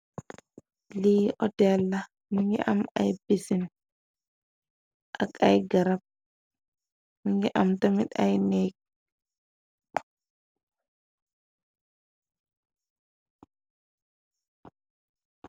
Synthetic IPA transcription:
liːʔɔtɛlːa | miŋɡɛ̰ʔama̰jbisin | ʔa̰kajɡaɾap̚ | miŋɡɛʔamtamiɗa̰jnɛk̚

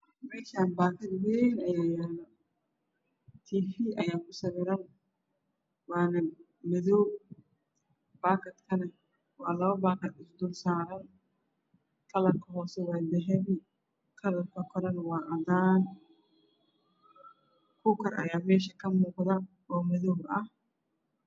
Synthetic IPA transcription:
mɛːʃaːnbaːkʰɐd̪wɛjnɐjaːjaːnɐ | t̪ʰiːfiːʔɐjaːkʊsɐβɛɾɐn | waːnɐ | mɪðɔw | b̥aːkɐt̪kʰɐnɐ | waːlɐβɐbaːkɐt̪ɪsd̪ʊlsaːɾɐn | kɐlɐkɐhɔːsɛwaːd̪ɛɦɛbɪ | kʰɐlɐkɐkɔɾɐnwaːʔɐd̪aːn | kʊkɐɾɐ̰jaːmɛːʃɐkɐmuːɡd̪a | oːmɪðobʔɐ

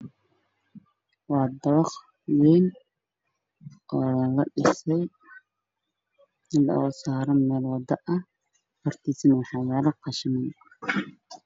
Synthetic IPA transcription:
wɑːd̪ɐwɑχ | wɛːn | ɔːlɐɖɪsɛj | nɪlɐ̰ɔsaːɾɐnmɛːlwɑd̪ɐʔɐh | hɔrt̪ʰiːsɐnɛħɑwaːɾɐqɑʃɪmɐn

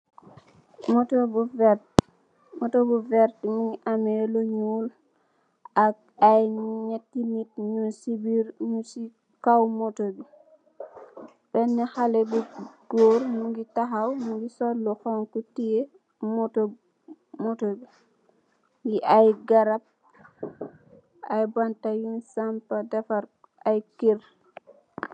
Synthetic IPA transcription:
motobuv | motobuvɛɾtŋɡiʔameluɲuːl | ak̚ajɲɛtːimitɲusibiɾɲusi | kawmotobi | bɛnːɛxalɛbuɡ̥oːɾmuɡitaɦawmuŋɡisɔlːɔxɔŋkutije | mto | motobi | ŋɡiʔajɡaɾap̚ | ajbantajunsampadɛfaɾ | ajkiɾ

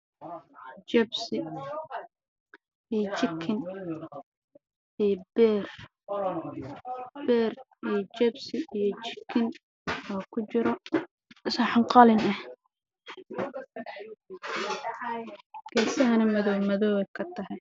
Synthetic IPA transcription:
t͡ʃɛbsɪ | ijt͡ʃɪkʰɪn | ijbɛːr | bɛːr | ijɞt͡ʃɛbsɪijɞt͡ʃɪkʰːɪn | ɔːkʰʊt͡ʃɪɾɔ | sɐħɑŋqɑlɪnɐh | ɡɛːsɐɦɐnɐmɐðɔwmɐðɔːwɛjkʰɐt̪ʰɐɦɛj

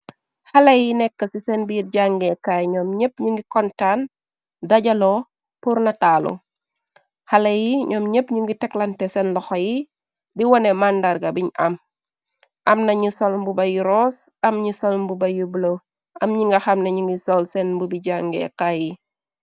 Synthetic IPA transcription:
hɐlɐjinɛkːəsisɛnbiirɟaŋɡɛkajɲɔːmɲəp̚ɲuŋɡikɔntan | dɐɟɐlɔ | puɾnɐtaːlṵ | hɐlɐjiɲɔːmɲəpɲuŋɡitɛklɐntɛsɛnlɔxɔji | diwɔnɛmandɐrɡɐbiɲɐ̰m | ʔɐmnɐɲusɔlmbubɐjuɾɔːs | ɐmɲusɔlmbubɐjubulo | ʔɐmɲiŋɡɐxɐmnɐɲuŋɡisɔlsɛnbubiɟaŋɡɛ̰kaji

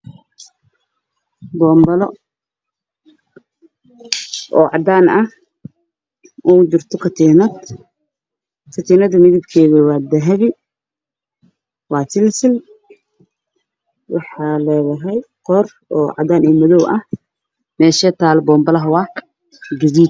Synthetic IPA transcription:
bɔːmbɐlɔ | ʔɔːʕɑd̪aːnɐh | ʔɔd͡ʒɪrt̪ʰɔkʰɐt̪ʰiːnɐd̪ | kʰɐt̪ʰiːnɐðɐmɪðɪbkʰɛːɣiwɑːd̪ɐɦɐβɪ | wɑːt̪ɪlsɪl | wʔɑħɑːlɛːðɐɦɛjqɔr | ɔːʕɑ̰d̪aːnɛːmɐðɔwʔɐh | mɛːʃɛːt̪ʰaːlbɔːmbɐlɐɦɐwɑː | ɡɐðiːd̪̚

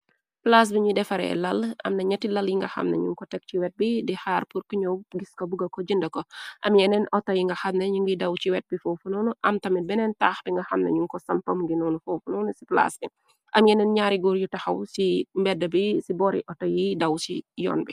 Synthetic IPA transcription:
plas̬biɲudɛfɐɾɛ̰lɐlɐ̰mnɐɲɐtːilɐljiŋɡɐxɐ̰mnɐ̰ɲuŋkɔtɛk̚t͡ʃiwɛt̚bidihaːrpuɾkiɲɔwɡiskɔbuɡɐkɔd͡ʒindɐkɔʔɐmjɛnɛnɔtːɐjiŋɡɐxɐmnɐɲuŋɡidɐwt͡ʃiwɛt̚bifɔːfunɔnuʔɐmtɐmit̚bɛnɛntaːxbiŋɡɐxɐmnɐ̰ɲuŋkɔsɐmpɐmɡinɔːnufowfunɔːnusipla̰sbi | ʔɐmjɛnɛnɲaːɾiɡuːɾjutɐxɐwsimbɛdːɐbisibɔːɾḭʔɔtːɐjidɐwsijɔ̰ːnbi

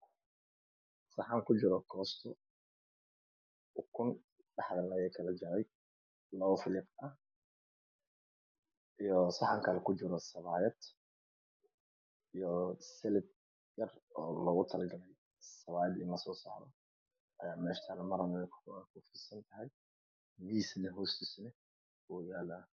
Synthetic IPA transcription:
sɑħaŋkʰʊd͡ʒɪɾɔkʰɔːst̪ʰɔ | kʰʊn | ɖɑħðɐlɐjɛkʰɐlɐd͡ʒɐɾɛj | lɐɔfɪlɪbɐh | ʔijɔsɑħaŋkʰɐlɛkʰʊd͡ʒɪɾɔsɐβaːjɐd̪̥ | ijɔsɛlɪd̪̚ | jɐrɔːlɐɣʊt̪ʰɐlɡɐlɛj | sɐβaːjɐd̪ɪnlɐsɔːsa̰ːɾɔ̰ | ʔɐjaːmɛːʃt̪ʰalmɐɾɐnɛkʰkʰufisɐnt̪ʰɐɦɛj | miːslɐɦʊsɪsnɛ | wuːjaːla

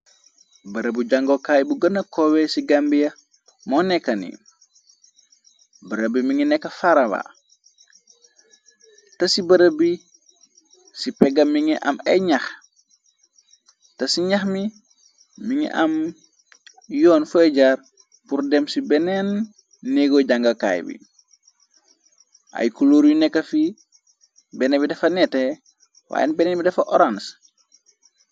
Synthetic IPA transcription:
bɐɾəbuɟaŋɡokaːbuɡɐnɐkɔwɛsiɡambijɐ | mɔnɛkːɐnḭ | bɐɾəbimiŋinɛkːɐfaɾɐwa̰ | tɐsibɐɾəbi | sipɛɡɐmiŋɛʔɐ̰mɐjɲax | tɐsiɲaxmi | miŋɛ̰ʔɐm | jɔːnfɛɟaːɾ | puɾdɛmsibɛnɛnː | eɡoɟaŋɡɐka̰ːjbḭ | ʔa̰jkuloːɾjinɛkːɐfi | bɛnebidɐfɐnɛte | wa̰ːjɛ̰nbɛnɛbidɐfɐʔɔɾans

